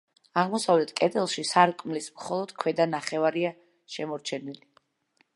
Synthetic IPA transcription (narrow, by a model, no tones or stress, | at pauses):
aʁmɔsavlɛt̪ʰkʼɛd̪ɛlˠʃisaɾkʼmlismχɔlˠɔd̪̥kʰwɛd̪anaχɛvaɾia | ʃɛmɔɾt͡ʃʰɛnili